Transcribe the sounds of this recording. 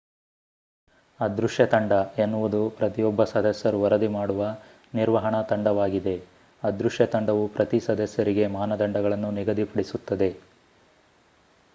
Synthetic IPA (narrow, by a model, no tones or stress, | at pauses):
ɐd̪ɾuʂjɐt̪ɐɳɖɐenːuʋud̪upɾɐt̪ijɔbːɐsɐd̪ʱɐsjɐɾuʋɐɾɐd̪imaːɽuʋɐ | niɾʋɐɦɐɳɐt̪ɐɳɖɐʋaːɡid̪e̞ | ɐd̪ɾuʂjɐt̪ɐɳɖɐʋupɾɐt̪isɐd̪ʱɐsjɐɾiɡe̞maːnɐd̪ɐɳɖɐɡɐɭɐnːuniɡɐd̪ipɐɽisut̪ːɐd̪e̞